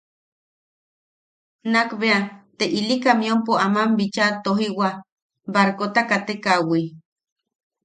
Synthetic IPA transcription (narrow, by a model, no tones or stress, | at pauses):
nakbeat̪eʔilikamiompoamambit͡ʃat̪oɦiwa | baɾkot̪akat̪ekawi